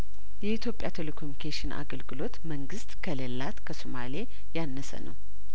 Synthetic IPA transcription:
jɛit̪ʰjo̞pʼːjat̪ʰelekʰomikʰeʃɪnʔa̰ɡəlɡɨlo̞t̪məŋɡɨst̪kʰələlːat̪kʰəsomale | janːəsə̰nə̰w

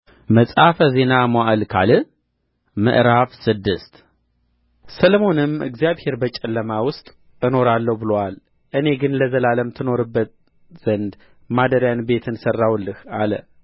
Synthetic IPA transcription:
məsʼafəze̞namaʔlkʰa̰lɨ | mɨ̰ʔɾafsɨd̪ːɨst̪ | sələmo̞nɨmɨ̰ɡzijaβhe̞ɾbət͡ʃʼɛlːəmawʊst̪ʼ | ɨno̞ɾalːəhbɨlowal | ʔɨne̞ɡɨnləzəlaləmt̪ʰɨno̞ɾɨbːət̪̚ | z̥ənd̪ | mad̪əɾjanbe̞t̪ʰɨnsərːawlːɨhalə

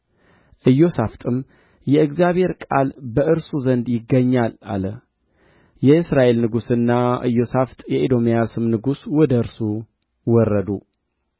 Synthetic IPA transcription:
ʔɨjo̞saft̪ʼɨm | jɛɨɡzijaβhe̞ɾkʼalbəʔɨɾsuzənd̪jɪɡːəɲːala̰lə | jɛɨsɾaʔe̞lnɨɡusɨnːaʔɨ̰jːo̞saft̪ʼjɛʔed̪o̞mijasɨmnɨɡuswɔd̪əɨɾsu | wɔrːəd̪u

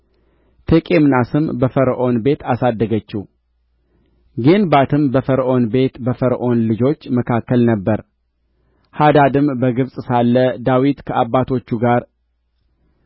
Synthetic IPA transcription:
t̪ʰekʼe̞mnasɨmbəfəɾʔo̞nbe̞t̪asad̪ːəɡət͡ʃːɪh | ɡe̞nbat̪ʰɨmbəfəɾʔo̞nbe̞t̪bəfəɾʔo̞nlɨd͡ʒo̞t͡ʃːməkʰakːəlnəbːəɾ | had̪ad̪ɨmbəɡɨβsʼsalːəd̪awit̪kʰəʔabːat̪ʰo̞t͡ʃːuɡaɾ

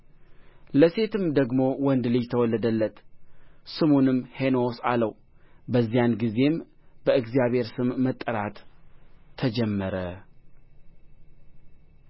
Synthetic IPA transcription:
ləse̞t̪ʰɨmd̪əɡmo̞wɔnd̪lɨjt̪ʰəwɔlːəd̪əlːət̪ | sɨmonɨmhe̞nosaləw | bəzːijanɡize̞mbəɨɡzijaβhe̞ɾsɨmːət̪ʼːəɾat̪ʰː | əd͡ʒɛmːəɾə

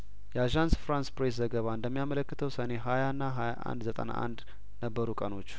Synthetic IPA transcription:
jɛaʒansfɾanspɾes̬zəɡəβaɨnd̪əmːijamələkːɨt̪ʰəwsəne̞ɦajanːaɦajaʔa̰nd̪zət̪ʼə̰na̰ʔa̰nd̪ | nəbːəɾukʼəno̞t͡ʃː

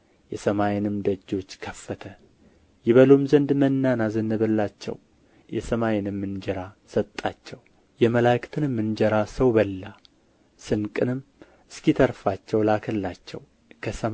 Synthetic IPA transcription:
jɛsəmajɪnɨmd̪əd͡ʒːo̞t͡ʃːkʰəfːət̪ʰə | jɛβəlomzənd̪mənːanazənːəβəlːat͡ʃːɛ̰w | jɛsəmajɪnɨmːɨnd͡ʒɛɾasət̪ʼːat͡ʃːɛw | jɛməlakʰt̪ʰɨnɨmːɨnd͡ʒɛɾasəwbəlːa | sɨnkʼɨnɨm | ɨskit̪ʰəɾfat͡ʃːɛwlakʰəlːat͡ʃːɛ̰w | kʰəsəm

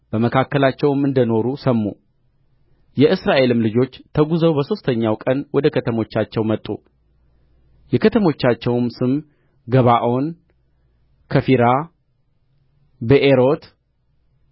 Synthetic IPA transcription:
b̥əməkʰakːəlat͡ʃːɛwɨmɨnd̪əno̞ɾusəmːṵ | jɛʔɨsɾaʔe̞lɨmlɨd͡ʒo̞t͡ʃːt̪ʰəɡuzəwbəso̞st̪ʰəɲːawkʼənwɔd̪əkʰət̪ʰəmo̞t͡ʃːat͡ʃːɛwmət̪ʼːṵ | jɛkʰət̪ʰəmo̞t͡ʃːat͡ʃːɛwmsɨm | ɡəβaʔo̞n | kʰəfiɾa | bəʔeɾo̞t̪

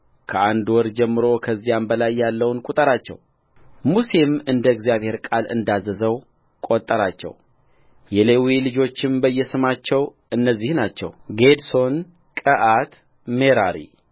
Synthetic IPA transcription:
kʰəʔand̪wɔɾd͡ʒɛmːɨɾo̞kʰəzːijambəlajːalːəwnkʼut̪ʼəɾat͡ʃːɛ̰w | muse̞mɨnd̪əɡzijaβhe̞ɾkʼalɨ̰nd̪azəzəw | kʼot̪ʼːəɾat͡ʃːɛ̰w | jɛle̞wilɨd͡ʒo̞t͡ʃːɪmbəjːɛsɨmat͡ʃːɛw | ɨnːəzːihnat͡ʃːɛ̰wɡed̪so̞n | kʼəʔat̪ | meɾaɾḭ

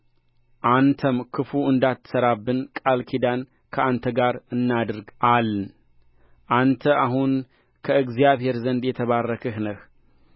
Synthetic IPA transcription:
ʔant̪ʰəmkʰɨfuɨnd̪at̪ʰːɨ̥səɾabːɨnkʼalkʰid̪an | kʰəʔant̪ʰəɡaɾɨnːad̪ɾɡaln | ʔant̪ʰəʔaɦun | kʰəɨɡzijaβhe̞ɾzənd̪jɛt̪ʰəβarːəkʰəhnəh

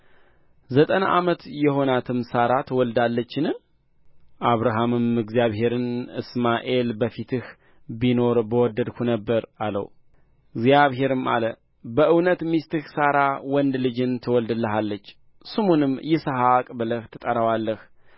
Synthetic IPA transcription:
zət̪ʼəna̰ʔamət̪jɛɦo̞nat̪ʰɨmsaɾat̪ʰwɔld̪alːət͡ʃːɪnɨ | ʔaβɾaɦamɨmɨɡzjaβɦe̞ɾɨnɨ̰smaʔe̞lbəfit̪ʰɨh | bino̞ɾbəwɔd̪ːəd̪kʰunəbːəɾalə̰w | ɨɡzjaβhe̞ɾɨma̰lə | bəʔɨwnət̪mist̪ɨhsaɾawɔnd̪lɨd͡ʒɨnt̪ʰɨwɔld̪ɨlːəɦalːət͡ʃː | sɨmunɨmjɛsəɦakʼbɨləht̪ʰɨt̪ʼəɾawalːəh

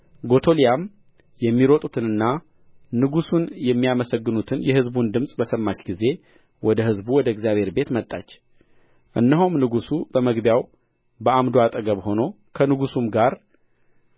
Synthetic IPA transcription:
ɡo̞t̪ʰo̞lijam | jɛmːiɾot̪ʼut̪ʰɨnɨnːa | nɨɡusunjɛmːijaməsəɡːɨnut̪ʰɨnjɛhɨzbund̪ɨmsʼbəsəmːat͡ʃɡize̞ | wɔd̪əhɨzbuwɔd̪əɨɡzjaβhe̞ɾbe̞t̪mət̪ʼːa̰t͡ʃː | ʔɨnːəɦumnɨɡusubəməɡbjaw | bəʔamd̪oat̪ʼəɡəβho̞no̞ | kʰənɨɡusumɡaɾ

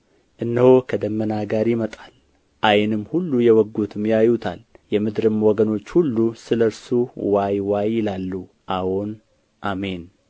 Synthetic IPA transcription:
ʔɨnːəhokʰəd̪əmːənaɡaɾimət̪ʼal | ʔajnɨmːhulːujɛwɔɡːut̪ʰɨmjajut̪ʰa̰ljɛmɨd̪ɾɨmwɔɡəno̞t͡ʃːhulːusɨləɾsuwajwajːɪlalːu | ʔawon | ʔame̞n

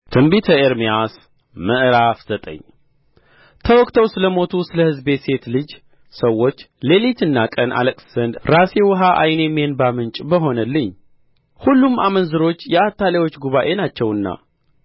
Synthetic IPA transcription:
t̪ʰɨmbit̪ʰəeɾmijas | məʔɾafz̥ət̪ʼə̰ɲː | t̪ʰəwɔkʼt̪ʰəwsɨləmot̪ʰusɨləhɨzbe̞t̪se̞t̪lɨd͡ʒ | səwːo̞t͡ʃː | le̞lit̪ɨnːakʼənʔa̰ləkʼsz̥ənd̪ɾase̞wɨɦaʔa̰jne̞menbamɨnt͡ʃʼbəɦo̞nəlːɨɲː | hulːumʔamənzɨɾo̞t͡ʃːjɛat̪ʰːalewo̞t͡ʃːɡuβaʔe̞nat͡ʃːɛwɨnːa̰

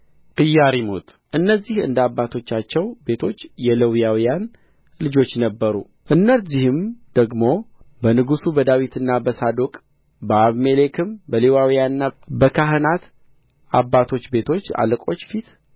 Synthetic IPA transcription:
ʔʼɨjːaɾimo̰t̪ʼ | ʔɨnːəzːihɨ̰nd̪abːat̪ʰo̞t͡ʃːat͡ʃːɛwbe̞t̪ʰo̞t͡ʃːjɛləwjawijan | lɨd͡ʒo̞t͡ʃːnəbːəɾṵ | ʔɨnːəzihɨmd̪̥əɡmo̞bənɨɡusubəd̪awit̪ʰɨnːabəsad̪okʼ | bəaβmele̞kʰɨmbəlewawijanɨnːabəkʰaɦɨnat̪ | ʔabːat̪ʰo̞t͡ʃːbe̞t̪ʰo̞t͡ʃːa̰lɨkʼo̞t͡ʃːfit̪

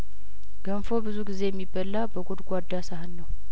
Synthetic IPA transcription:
ɡ̥ənfo̞bɨzuɡize̞jɛmːibːəlːabəɡod̪ɡʷad̪ːasahɨlːəw

